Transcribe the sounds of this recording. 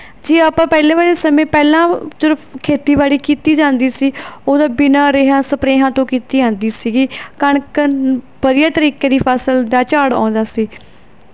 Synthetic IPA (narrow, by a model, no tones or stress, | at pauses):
d͡ʒiːaːpãːpɛːlẽːβaːɽeːsəmẽːpɛːlãːsɪɾəfkʰeːt̪iːbaːɽiːkiːt̪iːd͡ʒãːnd̪iːsiːoːd̪aːbɪnãːɾeːɦãːsəpɾeːɦãːt̪õːkiːt̪iːd͡ʒãːnd̪iːsiːɡiːkəɳkə | bəɾɪjaːt̪əɾiːkeːd̪iːpʰaːsəld̪aːt͡ʃaːɽã̰ːnd̪aːsiː